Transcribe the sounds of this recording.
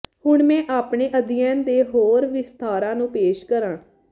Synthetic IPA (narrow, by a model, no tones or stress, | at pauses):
hʊɳmɛ̃ːʔaːpɳeːʔəd̪ɪɛ̃ːnd̪eːɦoːɾʋɪst̪aːɾãːnũːpeːʃkəɾãː